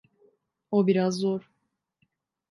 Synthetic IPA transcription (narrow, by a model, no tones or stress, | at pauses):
obiɾazːoɾ